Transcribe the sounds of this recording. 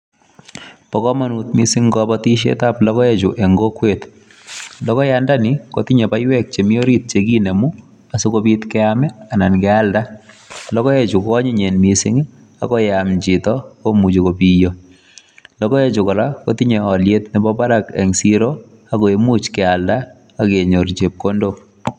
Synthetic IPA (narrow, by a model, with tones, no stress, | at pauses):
pɔkɔ˦ma˦nu˨t̪mi˦sɪ˦ŋɡɔbɔti˦ʃ̬ḛ˦ta˦plɔ˦kɔ˦ɛ˦t͡ʃʊ˨ʔe˨ŋɡo˦kwe˨t̪ | lɔ˦kɔ˦ja˦nda˦nɪ˨ko˨tɪ˦ɲe˨ba˦jwɛ˦k̚t͡ʃe˨mi˦o˦ɾi˦t̪̚t͡ʃe˨ɡi˦ne˨mu˦ | a˨sʊ˦kobi˦t̪kɛ˦amɛ˦a˨na˨nkɛ˦a˦lda˦ | lɔ˦kɔ˦e˨t͡ʃʊ˨kɔ˦ɲɪ˦ɲe˨nmi˨sɪ˦ŋ | a̰˨kɔ˦jamt͡ʃɪ˨tɔ˦ko˦mu˨t͡ʃo˨kopi˦jo | lɔ˦kɔ˦e˦t͡ʃʊ˨kɔ˨la˦ko˦tɪ˦ɲe˨ɔ˨ljet̪nɪ˨bɔba˦ɾakɛ̰˨ŋsiɾo˦ | a˦ko˨e˨mu˦t͡ʃkɛ˨a˨lda˦ | a˦keɲo˨ɾt͡ʃe˨p̚kondo˦